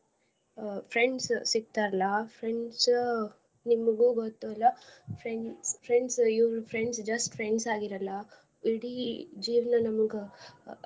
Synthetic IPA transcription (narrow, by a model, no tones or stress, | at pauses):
pʰɾeɳɖssiɡ̚t̪aːɾɐlɐpʰɾeɳɖs | nimɐɡuːɡot̪ːuɐlːɐpʰɾeɳspʰɾeɳɖsiʋɾupʰɾeɳɖsd͡ʒɐsʈpʰɾeɳɖsaːɡiɾɐlːɐ | iɽid͡ʒiːʋnɐnɐmɐɡe